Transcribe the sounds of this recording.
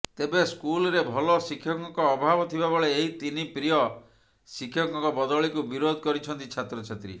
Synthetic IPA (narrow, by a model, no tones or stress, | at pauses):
t̪ebeskulɾebʱɔlɔsikʰːjɔŋkɔkɔːbʱabɔt̪ʰibabɔɭeːɦit̪inipɾijɔ | sikʰːjɔŋkɔŋkɔbɔd̪ɔɭikubiɾod̪ʱkɔɾit͡ʃʰɔnt̪it͡ʃʰat̪ɾɔt͡ʃʰat̪ɾḭ